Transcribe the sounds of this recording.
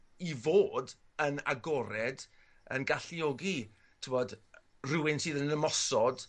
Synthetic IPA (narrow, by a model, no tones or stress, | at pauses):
ivoːdəna̰ɡɔɾɛd | ə̰nɡaɬiɔɡi | tʰɪmɔd | rɪwɪnsɨːðənəmɔsɔd̥